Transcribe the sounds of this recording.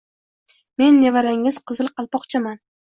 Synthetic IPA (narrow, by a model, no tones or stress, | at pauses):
me̞nːevaɾaŋɪz̥qʰɨzɨlˠqʰɑlˠpɒqt͡ʃʰaman